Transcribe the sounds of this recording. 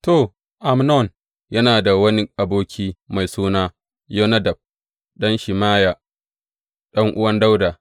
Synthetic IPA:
to˨ | ʔa˨mnɔ˦˨n | jɐ˦naː˨da˨wɐ˦ni˦ʔa˨boː˦kʲʰiː˦ma˨jsuː˦naː˦ | jo˦nɐ˦dɐ˨b̚ | ɗɐ˦nʃɪ˨maː˦ja˨ | ɗɐ˦ŋʔʊ˦wɐ˦nda˦wdaː˨

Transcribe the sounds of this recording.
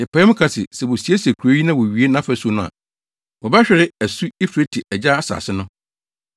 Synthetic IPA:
jɛ˨pʰa˨ɛ˦mʊ̃˦kʰa˨sɪ˨sɛ˨wɔ˨si˨˦e˦se˨kʰu˨ɾo˦ɥi˦nã˦wɔ˨ɥi˨˦e˦nã˦fæ˨˦su˦˨nʊ̃˦a̰˨ | wɔ˨ba˦ɕᶣɛ˨ɾɪ˦æ˨su˦e˦fɾe˦tʰɪ˨ʔɛ˨d͡ʑa˦a˦sa̰˨sɪ˦nʊ̃˦

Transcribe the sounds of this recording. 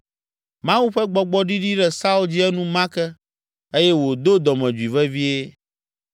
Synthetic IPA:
mã˦wu˦ɸɛ˦ɡ͡bɔ˨ɡ͡bɔ˦ɖi˦ɖi˦ɖɛ˦sa˦u˦ld͡ʑi˦ɛ˦nũ˦mã˦kɛ˦ | e˦jɛ˦wo˨d̪o˦d̪ɔ˨mɛ̃˨d͡ʒu˨i˨vɛ˦vi˦e˦

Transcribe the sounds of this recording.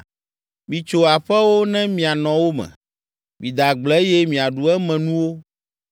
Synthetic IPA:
mĩ˨t͡ʃo˨a˨ɸɛ˦wo˦nɛ̃˦mĩ˨a˨nɔ̃˨wo˦mɛ̰̃˨ | mĩ˨d̪a˨ɡ͡blɛ˦jɛ˦mĩ˨a˨ɖu˨ɛ˦mɛ̃˨nũ˦wo˦

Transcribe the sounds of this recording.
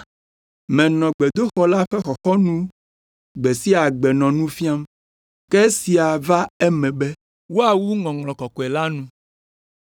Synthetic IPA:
mɛ̃˨nɔ̃˨ɡ͡bɛ˨d̪o˦xɔ˦la˦ɸɛ˦xɔ˨xɔ˦nũ˦ | ɡ͡bɛ˨si˦a˨ɡ͡bɛ˨nɔ̃˨nũ˦fi˦a˦m | kɛ˦si˨a˨va˦ɛ˦mɛ̃˨bɛ˦ | wo˦a˨wu˦ŋɔ̃˨ŋlɔ̃˨kɔ˨kɔ˨ɛ˨la˦nũ˦

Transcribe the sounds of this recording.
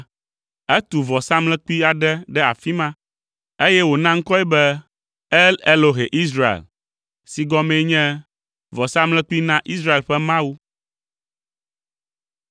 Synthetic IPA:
ɛ˦t̪u˨vɔ˨sa˦mlɛ̃˦k͡pu˦i˦a˨ɖɛ˦ɖɛ˦a̰˨fi˦mã˦ | e˦jɛ˦wo˨nã˦ŋ̩˦kɔ˦ɛ˦bɛ˦ | ɛ˦lɛ˦lo˦ɦɛ˨ʔi˦s̬ɾa˦ḛ˨l | si˨ɡɔ˦mɛ̃˦ɲɛ̃˦ | vɔ˨sa˦mlɛ̃˦k͡pu˦i˦nã˦ʔi˦s̬ɾa˦e˨lɸɛ˦mã˦wu˦

